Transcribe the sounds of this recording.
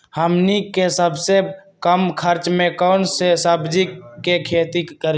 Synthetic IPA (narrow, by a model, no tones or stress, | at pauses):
həmnikesəbse | kəmkʰəɾt͡ʃmẽkəʊnsesəbd͡ʒikkekʰeːt̪ikəɾ